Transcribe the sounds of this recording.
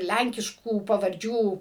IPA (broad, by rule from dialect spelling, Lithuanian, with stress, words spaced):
ˈlʲæŋʲkʲɪʃkuː pɐʋɐrʲˈd͡ʒʲuː